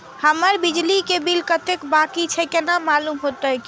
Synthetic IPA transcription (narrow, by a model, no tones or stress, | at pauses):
həməɾbid͡ʒlikebilkət̪ekbakit͡ʃʰɛkenamalumɦot̪ək